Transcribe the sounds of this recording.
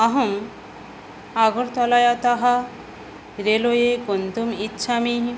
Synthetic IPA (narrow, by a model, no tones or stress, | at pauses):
ɐɦɐm | aɡɔɾt̪ɔlajat̪aɦa | ɾelojekunt̪umitːʃʰamiɦĩ